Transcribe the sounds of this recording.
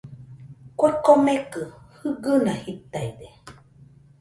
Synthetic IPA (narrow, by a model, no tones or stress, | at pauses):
kʷakomekɯhɯɡɨnãhit̪aid̪e